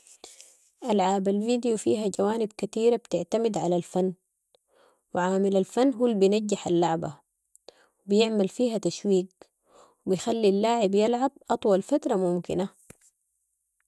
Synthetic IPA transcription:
ʔalʕaːbalviːd̪ijufḭːɦaɟawaːnibkat̪iːɾabt̪ɪʕt̪amid̪ʕalalfanː | wɪʕaːmilalfanːɦulbijnaɟːaħalːaʕba̰ | wibijɪʕmalfiːɦat̪aʃwiːɡ̚ | wibijxalːilːaːʕibjalʕab̚ʔɑt̪ˤwɑlfat̪ɾˤɑmʊmkina

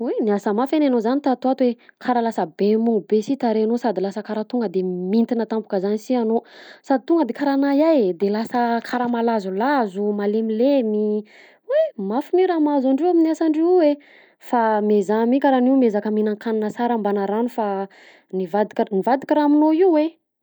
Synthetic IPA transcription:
eniasəmafananozanit̪at̪uat̪wekʰaɾalasəbemuŋubesit̪aɾeanosad̪ilasəkaɾat̪uŋɡəd̪emint̪inat̪ampu̥kəzanisianosad̪it̪uŋɡəd̪ekaɾanajajd̪elasəkʰaɾamalazulazumalemilemi | wemafumiɾamazaɳɖ͡ʐewaminiasaɳɖ͡ʐiwe | famezamikʲaɾaniwmezakəminaŋkaninəsaɾambanaɾanufa | nivad̪ikʲnivad̪ikʲiɾaminoiuwe

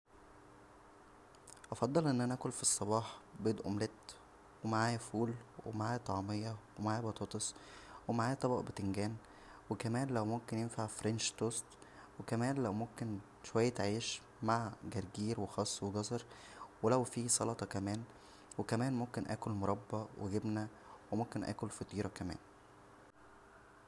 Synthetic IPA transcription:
ʔɑfɑd̪ˤːɑlʔenːʔænæʔæːkolfisˤːɑbɑːħbed̪ʔo̰mlet̪ | wemaʕaːjæfuːlwḛmaʕaːjæt̪ˤɑʕmejːɑwemaʕaːjæbɑt̪ˤɑːt̪ˤesˤwemaʕaːjæt̪ˤɑbɑ̰ʔbet̪eŋɡæːn | wekæmæːnlæwmomkenjenfaʕfɾenʃt̪oːst̪ | wekæmæːnlæwmomken | ʃowæjːæt̪ʕiːʃ | maʕɡæɾˤɡiːɾwexɑːsˤːweɡɑsɑɾˤ | welæwfiːsˤɑlɑt̪ˤɑkæmæːn | wekæmæːnmomkenʔæ̰ːkolmoɾˤɑbːɑweɡebnæ | wemomkenʔæ̰ːkolfɑt̪ˤiːɾˤɑkæmæ̰ːn

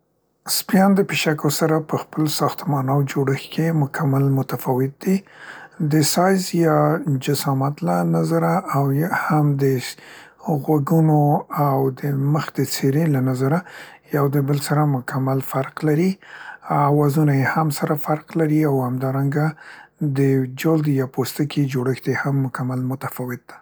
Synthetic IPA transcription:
spijɑnd̪əpeʃakosaɾapəxpəlsɑxt̪mɑnawd͡ʒoɽəxkemʊkʰamalmʊt̪afɑwɪt̪̚d̪id̪əsɑjzjɑd͡ʒasɑmat̪lanazaɾaʔawhamd̪ə | ɣwaɡunoawd̪əməxd̪ət͡seɾelanazaɾajawd̪əbəlsaɾamʊkʰamalfaɾqlaɾi | awɑzunajehamsaɾafaɾqlaɾiawhamd̪ɑɾaŋɡad̪əd͡ʒold̪jɑpost̪akʰid͡ʒoɽəxd̪ehamːʊkamalmʊt̪afɑwɪt̪̚d̪̥ḁ

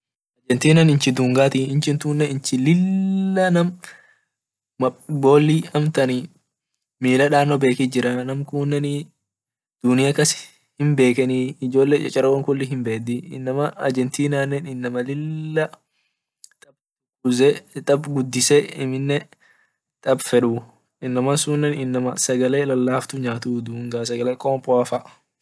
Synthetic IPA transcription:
ɐd͡ʒɛnt̪iːnɐnɪnt͡ʃɪd̪uŋɡaːt̪iɪnt͡ʃɪnt̪uːnːɛɪnt͡ʃɪlɪlːɐnɐm | ɐbo̞ːlːiːɐmt̪ɐni | miːlɐᶑaːnɔbeːkiːd͡ʒɪɾɐnɐmkuːnːɛni | d̪̥ʊnɪjakɐs | hɪmbe̞ːkɛniːɪd͡ʒo̞ːlːeːt͡ʃʼɐ̰t͡ʃʼɐɾɐwɐŋkʊlːɪɦɪmbeːd̪iɪ̰nːɐmɐɐd͡ʒɛnt̪iːnaːnːɛnɪnːɐmɐlɪlːɐ | t̪ʼɐb | ʊzɛt̪ʼɐbɡʊd̪ːɪsɛɪmɪnːɛ | t̪ʼɐbfɛᶑuː | ɪnːɐmɐsuːnːɛnɪnːɐmɐsɐɡɐleːlɐlːaːft̪ʊɲaːt̪uːd̪uːŋɡaːsɐɡɐleːkʼɔːmpʼɔɐfɐʔ

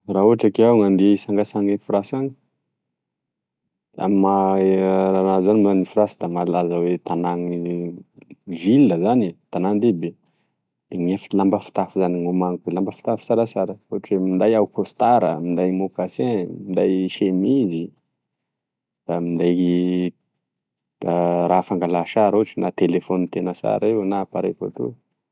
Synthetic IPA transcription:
rauaʈ͡ʂakeawŋand̪eisaŋɡasaŋefɾasaŋi̥ | a̰maaanazanimzanifiɾasid̪amalazəwet̪anaŋi | vilːəzanit̪anand̪ebe | d̪̥eŋefilambəfi̥t̪afuzaniŋomaŋik̪elambəfi̥t̪afu̥t͡saɾasaɾəoʈ͡ʂwemind̪ajawukost̪aɾə̰mind̪ajmokasẽmind̪ajʃemizi | d̪̥amind̪aj | ɾafaŋɡalaʃaɾoʈ͡ʂinat̪elefonit̪enəsa̰ɾewnapaɾevo̰t̪ṵ

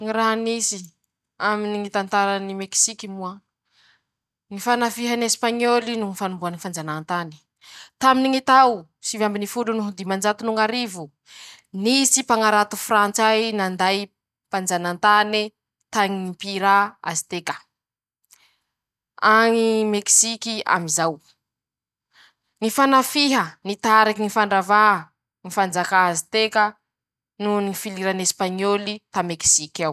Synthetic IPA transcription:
ŋiɾaɦnisi | aminiŋit̪ant̪aɾanimeki̥sikimua | ŋifanafiɦanespaɲolinuŋifanumbuanifand͡zanant̪ani̥ | t̪aminiŋit̪aw | sivambinifulunuɦud̪imand͡ʒat̪unuŋaɾivu | nisipaŋaɾat̪ufrant͡sajnand̪aj | pand͡ʒanant̪ani | t̪aŋiipiɾaa̰zi̥t̪ekə̥ | aŋimeksikia̰mizaw | ŋifanafiɦənit̪aɾakiŋifaɳɖ͡ʐava | ŋifand͡zakaazit̪ekə | nunifiliɾanespaɲolit̪ameksikaw

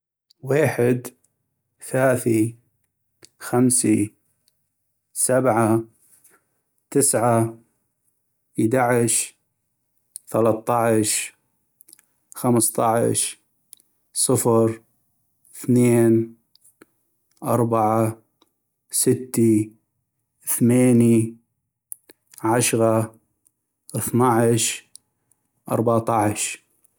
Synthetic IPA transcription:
weːħɪd̪ | θalaːθi | xamsi | sabʕa | t̪ɪsʕa | id̪aʕɪʃ | θalɑt̪ˤːɑʕʃ | xamst̪ˤɑʕ̰ʃ | sˤɨfɾ | θneːn | ʔɑɾˤbaʕa | sɪt̪ːi | θmeːni | ʕaʃɣɑ | ʔθnaʕʃ | ʔɑ̰ɾˤbat̪ˤɑʕʃ

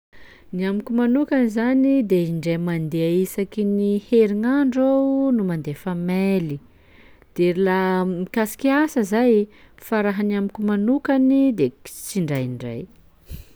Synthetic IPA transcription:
niamikumanukanizanid̪eiɳɖ͡ʐemand̪eaisakiniheɾiŋaɳɖ͡ʐawnumand̪efameli | d̪̥eɾilamikasi̥kiasəzaj | faɾaɦanamikumanukanid̪et͡siɳɖ͡ʐajiɳɖ͡ʐa̰j

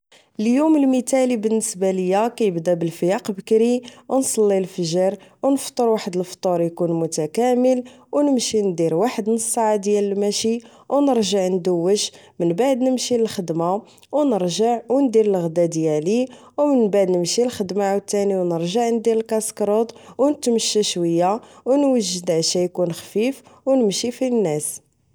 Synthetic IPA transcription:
əljuməlmit̪ælibənːəsbaləjːækæjəbd̪æbəlfjɑqbəkɾiwnsˤɑlːilfəʒəɾwnəft̪ˤːəɾwaħəd̪əlft̪ˤuɾjkunmʊt̪ækæməl | wnəmʃind̪iɾwaħəd̪nəsˤːaʕad̪jæləlmæʃi | wnəɾʒəʕnd̪uwːəʃ | mənbaʕd̪nəmʃiəlxəd̪ma | wnəɾʒəʕwnd̪iɾəlɣd̪æd̪jæli | wmənbaʕd̪nəmʃilxəd̪maʕwət̪ːæniwnəɾʒəʕnd̪iɾəlkæskɾˤot̪ˤwnət̪məʃːæʃwəjːawnwəʒːəd̪ʕʃæjkunxfifwnəmʃifinːæs

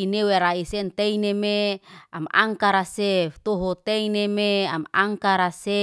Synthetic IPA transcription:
ineweɾaisent̪einemeama̰ŋkaɾaseft̪oɦɔt̪einemeama̰ŋkaɾase

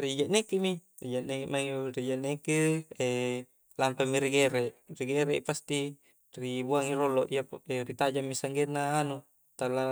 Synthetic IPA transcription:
rid͡ʒaʔnekemi | rid͡ʒaʔnekmaŋrid͡ʒaʔnekee | lampamiɾiɡeɾeʔriɡeɾepast̪i | ribuaŋiɾoloʔiaerit̪ad͡ʒamːisaŋɡenːaːnu | t̪ala

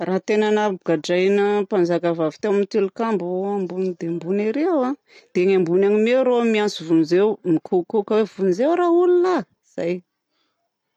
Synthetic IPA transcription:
raːt̪enanəbuɡaɖ͡ʐajnəpand͡ʒakavavi̥t̪ewamit̪elukambuambunid̪embuniɾewa | d̪̥eɲambunaŋimeɾomiansivunizewmikʰukukəwevunizewɾaulula | iz̥a̰j

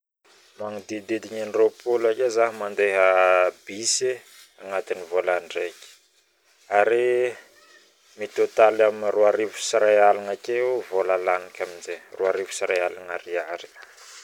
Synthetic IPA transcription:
maŋud̪id̪ed̪iɲanropolakezaɦimand̪eɦəbise | aŋat̪inivolaɳɖ͡ʐekʲi̥ | aɾe | mit̪ot̪alaminiruaɾivu̥siɾajalaŋakʲeuvolalanikʲaminzerʔuaɾivu̥siɾajalanaɾiaɾi̥

